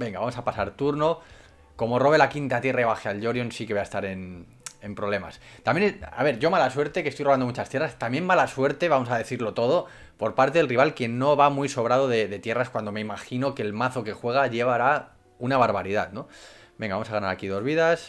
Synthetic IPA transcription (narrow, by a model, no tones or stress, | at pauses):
be̞ŋɡaβamo̞sapasaɾt̪uɾno̞ | ko̞mo̞ro̞βelakint̪at̪je̞raiβ̞axealʎo̞ɾjonsikeeaest̪aɾe̞n | e̞mpɾoβle̞ma̰st̪amjena̰βe̞ɾʝo̞malaswe̞ɾt̪e̞ke̞st̪ojroand̪o̞mut͡ʃast̪je̞rast̪amje̞mmalaswe̞ɾt̪e̞βamo̞saðe̞θiɾlo̞t̪o̞ð̞o̞ | po̞ɾpaɾt̪e̞ðelriβalkje̞nːo̞βamwiso̞βɾað̞o̞ðe̞ðe̞t̪je̞raskwand̪o̞me̞imaxino̞ke̞lmaθo̞ke̞xwe̞ɣ̞aʝe̞βaɾa | unaβaɾβaɾiðat̪no̞ | be̞ŋɡaβamosaɣanaɾakið̞o̞zβ̞iðas